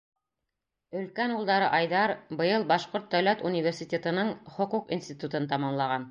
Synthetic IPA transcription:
ɵ̆lkænulˠd̪ɑɾɤʔɑjðɑɾbɤ̆jɤlˠbɑʃqoɾt̪̚d̪æwlæt̪unʲivʲersʲit̪ʲet̪ɤ̆nɤɴχŏquqḭnsʲt̪ʲit̪ut̪ɤnt̪ɑmɑmlˠɑʁɑn

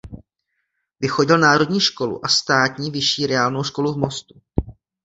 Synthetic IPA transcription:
vɪxo̞ɟɪlnaːɾo̞dɲiːʃko̞lṵʔast̪aːt̪ɲiːvɪʃiːɾɛaːlno̞wʃko̞luvmo̞st̪u

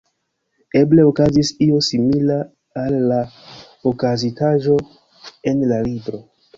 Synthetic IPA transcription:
e̞ble̞o̞kazisio̞similaː | lːa | okazitaʒo̞ | e̞nlalibɾo̞

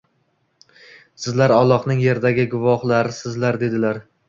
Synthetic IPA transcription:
sɪzlaɾɒlˠːɒqnɪŋje̞ɾd̪aɡʲɪɡʊvɒhlˠaɾɪsɪzlaɾd̪e̞d̪ɪlaɾ

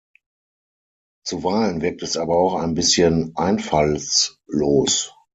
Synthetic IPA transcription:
t͡suvaɪlənvɪɐk̚tɛsʔaːbɐaʊxaɪnbɪsçənʔaɪnfalsloːs

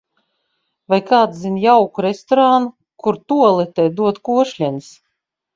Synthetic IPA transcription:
vajkaːt̪zʲinjawkuɾest̪ɔɾanu | kuɾt̪uɔlˠɛt̪ɛd̪uɔt̪kuɔʃlʲɛns

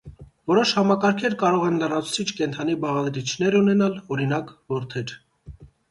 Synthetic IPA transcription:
vɔɾɔʃhɑmɑkɑɾkʰɛɾkɑɾɔʁɛnlərɑt͡sʰu̥t͡sʰit͡ʃʰkɛnt̪ʰɑnibɑʁɑd̪ɾit͡ʃʰnɛɾunɛnɑlɔɾinɑkvɔɾt̪ʰɛɾ

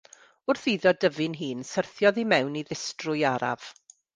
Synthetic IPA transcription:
ʊrθiːðɔdəvɪnɦiːnsərθjɔðimɛwniðɪstrʊjaɾa̰v̥

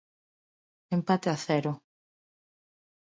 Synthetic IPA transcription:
empat̪eaθɛɾʊ

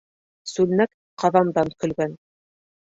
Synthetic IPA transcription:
sʉlnæk | qɑðɑmd̪ɑnkɵ̆lɡæn

